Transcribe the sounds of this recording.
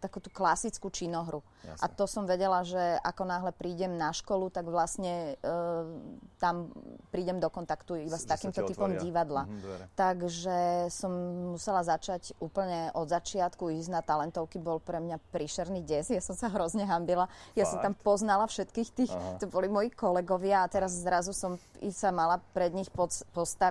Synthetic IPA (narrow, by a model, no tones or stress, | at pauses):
t̪akut̪uklasit͡skut͡ʃinɔɦɾu | ʔa̰t̪ɔsɔmʋɛɟɛlaʒɛʔakɔnaːɦlɛpɾiːɟɛmnaʃkɔlut̪aɡʋlasɲɛ | t̪ampɾiːɟɛmd̪ɔkɔnt̪akt̪uibast̪akiːmt̪ɔt̪ipɔmɟiʋad̪lat̪aɡʒɛsɔmːusɛlazat͡ʃaɟuːpl̩ɲɛʔɔd̪zat͡ʃɪat̪kuiznat̪alɛnt̪ɔʊkibɔlpɾɛmɲapɾiʃɛɾniɟɛzjasɔmsaɦɾɔzɲɛɦambilajasɔmt̪amppɔznalafʃɛt̪kiːxt̪iːxt̪ɔbɔlimɔjikɔlɛɡɔʋɪaːt̪ɛɾazːɾazusɔmḭsamalapɾɛd̪ɲixpɔpɔst̪a